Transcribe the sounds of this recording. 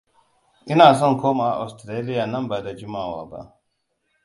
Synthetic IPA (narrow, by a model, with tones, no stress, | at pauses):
ʔɪ˦naː˨s̬ɔ˦ŋkʰoː˦ma˨ʔa̰˨ʔa̰˨stɾeː˦lɪ˦jaː˨nɐ˦mbaː˨da˨d͡ʒɪ˦maː˨waː˨ba̰˦ʔ